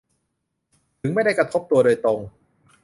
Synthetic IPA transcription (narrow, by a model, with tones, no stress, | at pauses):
t̪ʰɯ˩˦ŋma˥˩jda˥˩jkɾa˧t̪ʰo˦˥p̚t̪u˧ɐdoː˧jt̪ɾo˧ŋ